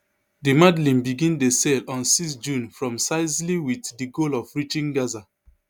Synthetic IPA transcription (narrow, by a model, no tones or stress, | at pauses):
dimadlĩmbiɡĩndesɛlɔ̃nsisd͡ʒũnfɹɔ̃msaɪsliwitdiɡolɔfɹit͡ʃĩŋɡaza